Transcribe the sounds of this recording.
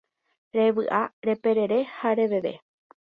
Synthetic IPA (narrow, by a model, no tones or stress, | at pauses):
ɾe̞ʋɨʔaɾe̞pe̞ɾe̞ɾe̞haɾe̞ʋe̞ʋe̞̰